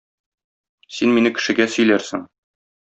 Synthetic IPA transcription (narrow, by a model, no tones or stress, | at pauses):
sinminɘkɘ̆ʃɘ̆ɡæsɵ̆jlæɾsɘŋ